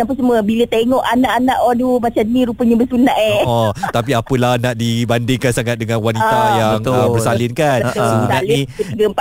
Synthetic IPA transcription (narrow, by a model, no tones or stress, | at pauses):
ap̬usəmuəbilət̪eŋɔʔanaʔanaʔɔdumat͡ʃanĩɾupəɲabəsunaʔeɔt̪ap̬iapəlahnaʔdibandɪŋkansaŋat̪̚dəŋanwanit̪ajabŋəbərsalɪnkanasunaleiuɡəmpa